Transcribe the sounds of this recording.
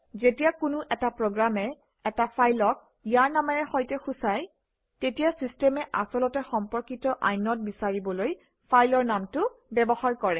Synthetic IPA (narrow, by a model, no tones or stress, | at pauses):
zetijakʊnʊʔɛtapɹoɡɹamɛ | ɛtapʰajlɔk̚ | ijaɹnamɛɹɛxɔjtɛxusaj | tetijasistɛmɛʔa̰sɔlɔtɛxɔmpɔɹkitɔʔa̰jnɔt̚bisaɹibɔloj | pʰajlɔɹnamtʊbɛbɔxaɹkɔɹɛ